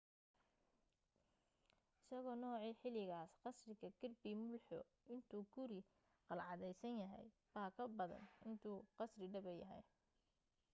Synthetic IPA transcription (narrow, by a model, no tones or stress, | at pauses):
ɪsɐɣɔːnɔːʕiːħɪlɪɣaːsqɑsrɪɣɐɡɪrbimʊlħɔ | ʔɪnt̪ʰuːɡʰʊɾi | qɑlʕɑðɛjsɐnjɐɦɛ̰j | baːkʰɐbɐðɐ̰nɪnt̪ʰuːqɑsrɪɖɐβɐjɐ̰ɦɛ̰j